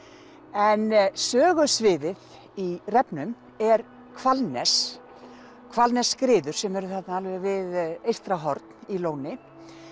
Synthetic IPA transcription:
ɛnsœːɣʏsvɪːðɪð | irɛpnʏm | ɛɾ | kʰvalnɛs | kʰvalnɛsːkɾɪːðʏɾ̥sɛmɛɾʏθat̪naalvɪɾvɪðejst̪ɾaɦɔɾt̪niloːwnɪ

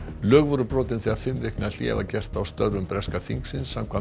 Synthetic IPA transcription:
lœːɣvɔɾʏpɾɔːt̪ɪnθiːað̥fɪmvɪhknɪal̥jɛ̰ːva̰cɛr̥t̪awst̪œɾvʏmpɾɛskaθiŋksɪnsːamkʰvan

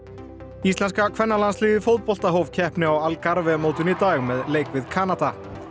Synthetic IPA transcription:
ist̪lɛnskakʰvɛnːalansliːɣɪfot̪pɔl̥t̪aɦowv̥cʰɛhpnɪawalkaɾvɛmowt̪ʏnit̪aːɣmɛðleːjkvɪðkʰaːnat̪a

